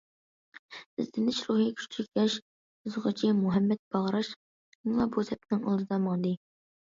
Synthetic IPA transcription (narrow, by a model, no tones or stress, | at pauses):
ɪ̰zd̪ɪnɪʃɾuɦikʲʰy̥t͡ʃt̪ʰɪkʲkʲɛʃ | ɨzʁət͡ʃʰimuɦɛmːɛt̪̚b̥ɑʁɾɑʃ | ɪŋlˠɑbut̪ʰɛp̚nɪŋɑ̰lˠd̪ɨd̪ɑmɑŋd̪ɨ